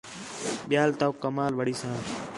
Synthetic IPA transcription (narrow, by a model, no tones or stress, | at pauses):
ɓɪjaːlt̪aːkːəmaːlʋəɽiːsãː